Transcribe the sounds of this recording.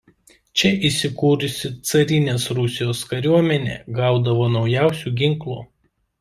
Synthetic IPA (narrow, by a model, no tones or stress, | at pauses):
t͡ʃʲɛʔisʲɪkuːɾʊsʲɪt̪sɐɾʲɪnʲeːsɾʊsʲɪjoːskɐɾʲuɔmʲɛnʲḛːɡɑˑʊd̪ɐʋoːnɒʊjæˑʊsʲuːɡʲɪŋklˠṵː